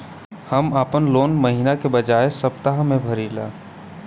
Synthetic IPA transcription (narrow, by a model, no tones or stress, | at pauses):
həmaːpənloːnməɦinakebəd͡ʒaːesəbt̪aɦmẽbʱəɾila̰ː